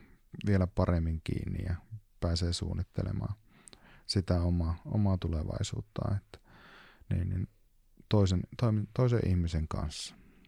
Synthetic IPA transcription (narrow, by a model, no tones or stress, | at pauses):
ʋielæpɑremːiŋkḭːnːḭjɑpæːseːsṵːnːit̪ːelḛmɑ̰ː | sit̪æomˑɑːo̰mɑːt̪uleʋɑ̰isṵːt̪ːɑ̰ːet̪ːæ̥niːnnin | t̪oˑisent̪omit̪oisḛʔihmiseŋkɑ̰nsːɑ̥